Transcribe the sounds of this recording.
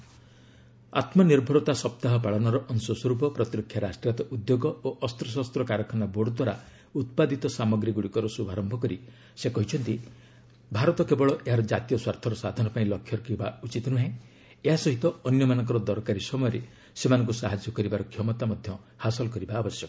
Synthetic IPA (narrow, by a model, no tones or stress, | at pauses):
a̰t̪mɔniɾbʱɔɾɔt̪asɔp̚t̪aɦɔpaɭɔnɔɾɔʔɔnsɔswɔɾupɔpɾɔt̪iɾɔkʰːjaɾasʈɾijat̪ɔʔud̪joɡɔoʔɔst̪ɾɔs̬ast̪ɾɔkaɾɔkʰanaboɽɔd̪waɾa | ut̪̚pad̪it̪ɔsamɔɡɾiɡuɽikɔɾɔsubʱaɾɔmbʱɔkɔɾi | sekɔɦit͡ʃʰɔnt̪i | bʱaɾɔt̪ɔkebɔɭɔʔeɦaɾɔd͡ʒat̪ijɔswaɾt̪ʰɔɾɔsad̪ʱɔnɔpaĩlɔkʰːjɔɾkibaut͡ʃit̪ɔnuɦẽ | eɦasɔɦit̪ɔːnjɔmanɔ̃ŋkɔɾɔd̪ɔɾkaɾisɔmɔjɔɾe | semanɔŋk̬usaɦad͡ʒjɔkɔɾibaɾɔkʰjɔmɔt̪amɔd̪ʱjɔ | hasɔlɔkɔɾibaːbɔsjɔkɔ